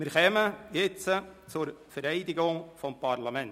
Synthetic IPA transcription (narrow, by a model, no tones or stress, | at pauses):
mɪɾχɛməjɪt͡sət͡sʊɾfɛɾɛɪdɪɡʊŋfɔmpʰɑɾlɑmɛn